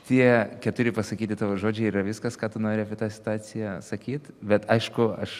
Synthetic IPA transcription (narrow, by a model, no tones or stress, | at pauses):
t̪ʲiɛkʲɛt̪ʊɾʲɪpɐsɐkʲiːt̪ʲɪt̪ɑːʋoːʒoːd͡ʒʲɛɪiɾɐʋʲɪskɐskɑːt̪ʊnoːɾʲɪɛɐpʲɪt̪ɑːsʲɪ̥t̪ʊɑːt͡ssʲɪjɛsɐkʲiːt̪bʲɛt̪ɐɪʃkʊɐʃ